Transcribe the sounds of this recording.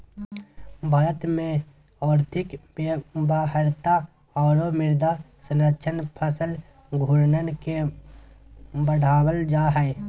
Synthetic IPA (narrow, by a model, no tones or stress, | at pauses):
bʱaːɾət̪mẽ | ɔːɾt̪ʰɪk | baːɦəɾt̪a | ɔːɾomɪɾd̪ʱa | sənət͡ʃʰənpʰəsəl | ɡʱʊɾnənke | bəɽ̤aːwəld͡ʒaːɦɛː